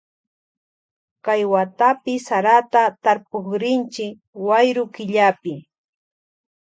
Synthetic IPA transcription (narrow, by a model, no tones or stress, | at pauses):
kajwat̪apɪsaɾat̪at̪aɾpoχɾɪnt͡ʃɪk | wajɾʊkɪʎapɪ